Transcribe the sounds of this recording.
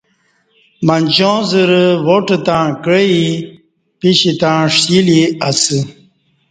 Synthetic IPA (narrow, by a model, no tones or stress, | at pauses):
manʲd͡ʑõːzəɾəwoʈət̪ãkəi | piɕit̪ãʂiliasi